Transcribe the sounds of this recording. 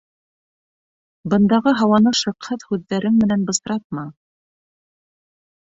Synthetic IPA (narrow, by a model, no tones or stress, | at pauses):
bɤ̆nd̪ɑʁɤɦɑwɑnɤʃɤ̆qhɤðhʉðːæɾɘnmɘ̆nænbɤ̆sɾɑt̪̚mɑ